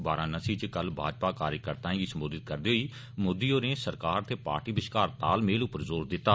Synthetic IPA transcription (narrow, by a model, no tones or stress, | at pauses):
baːɾãːnəsiːt͡ʃkəlbʱa̰ːd͡ʒpaːkaːɾjəkəɾt̪ãːɡiːsəmboːd̪ɪt̪̚kəɾd̪iːɦoiː | mʊːd̪iːoːneːsəɾkaːɾt̪eːpa̰ːɾʈiːbɪʃkaːɾt̪a̰ːlmeːlʊpəɾzoːɾd̪ɪt̪ːaː